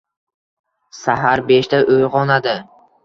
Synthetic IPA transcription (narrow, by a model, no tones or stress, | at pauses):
saɦaɾbeʃt̪aʔojʁɒnad̪ɪ